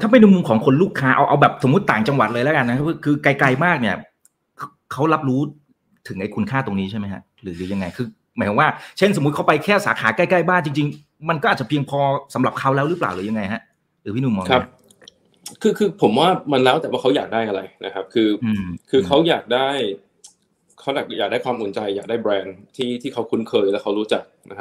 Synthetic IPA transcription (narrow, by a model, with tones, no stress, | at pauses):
t̪ʰa˥˩pe˧nɯ˧˥˦mu˧ŋkʰɔː˩˦ŋkʰo˧nluː˥˩kʰːaː˦˥ʔa˧wʔa˧wbɛː˨˩p̚so˩˦mː˦u˦˥t̪ːaː˨˩ŋt͡ɕa˧ŋwa˨˩t̪̚lɤː˧jlɛ˦˥ka˧nːa˦˥kʰa˦˥pʰɯ˧˩kʰɯː˧kla˧jkla˧jmaː˥˩k̚ni˥˩ɐ | kʰa˦˥wkʰa˦˥wla˦˥p̚ɾuː˦˥ | t̪ʰɯ˩˦ŋʔa˧jkʰu˧nkʰaː˥˩t̪o˧ŋniː˦˥t͡ɕʰa˥˩jm˦jkʰa̰˦˥ʔɾɯː˩˦ɾɯː˩˦ja˧ŋːa˧jkʰɯː˧ | ma˨˦kʰɔ˨˦waː˥˩t͡ɕʰe˥˩nso˩˦m˦˥t̪̚kʰpa˧jkʰɛː˥˩saː˩˦kʰaː˩˦kaː˥˩jka˥˩jbaː˥˩ŋt͡ɕi˧ŋt͡ɕi˧ŋ | ma˧nkɔː˥ʔaː˨˩t̚t͡ɕa˨˩pʰi˧əŋpʰɔː˧sa˩˦mɾla˨˩p̚kʰa˦˥wlɛː˦˥wɾɯː˦˥pla̰ː˨˩wlɯː˩˦ja˧ŋːa˧jha˦˥ʔ | ɾɯː˩˦pʰiː˥˩nuː˧˩mɔː˧ŋkʰa˦˥˦p̚ | kʰɯː˧kʰɯː˧pʰo˩˦mwaː˥˩ma˧nlɛː˦˥wt̪ɛː˨˩waː˥˩kʰjaː˨˩k̚daː˥˩jʔa˧ɾa̰˧jnʔa˦˥kʰa˦˥p̚kʰɯː˧ʔɯː˧kʰɯː˧kʰa˦˥wjaː˨˩k̚daː˥˩j | kʰa˦˥wjaː˨˩k̚jaː˨˩k̚daː˥˩jkʰwaː˧mʔu˨˩˦nt͡ɕa˧jːaː˨˩k̚daː˥˩jbɾɛː˧nt̪ʰiː˥˩t̪ʰiː˥˩kʰa˦˥wkʰu˦˥nkʰɤː˧jlɛː˦˥wkʰa˦˥wɾuː˦˥t͡ɕa˨˩k̚na̰˦˥k̚ʰ